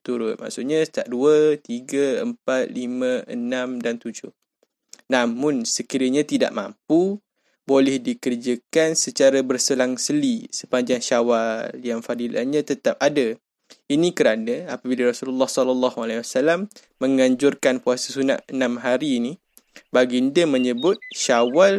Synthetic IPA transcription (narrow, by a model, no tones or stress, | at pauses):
t̪uɾʊt̪̚ma̰ʔsʊʔɲãst̪aʔ̚duət̪iɡaəmpat̪̚limə̃ənamdant̪ud͡ʒʊh | namʊ̃nsəkiɾəɲat̪ida̰ʔmã̰mpu | bolɛhdikərd͡ʒəkansət͡ʃaɾabərsəlaŋsəlisəpaɲd͡ʒaŋʃawaljaŋfadilʔa̰ɲãt̪ət̪ap̚adə | inikəɾanəapabilaɾasululːɑhsɔlɔlːɑhualahwasalamː | əŋaɲd͡ʒʊrkanpuasasuna̰ʔənamɦaɾiːni | baɡindəməɲəbʊt̪̚ʃawal